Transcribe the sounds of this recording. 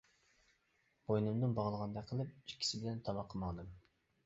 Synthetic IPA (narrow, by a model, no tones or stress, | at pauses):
b̥ojnɨmd̪ɨnbɑʁəlˠəʁɑnd̪ɑqʰəlˠɨp̚i̥ʃkʲʰːi̥sɪbɪlɛnt̪ʰɑbɑqʰːəmɑnɨm